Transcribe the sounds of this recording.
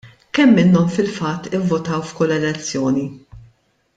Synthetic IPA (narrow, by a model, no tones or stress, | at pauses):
kɛmːɪnːɔmfɪlfɐt̪ːɪvːʊt̪ɐwfkʊlːɛlɛt͡sːjɔːni